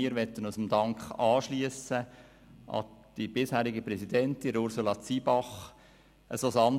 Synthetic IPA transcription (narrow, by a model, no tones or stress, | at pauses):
iːəɾʋɛt̪ənusəmd̪ɑŋkχɑːʃliəsə | ʔɑ̰d̥ibɪshæːɾɪɡəpɾɛsidɛntinɾʊɾsulɑt͡sibɑχ | ʔəsosɑn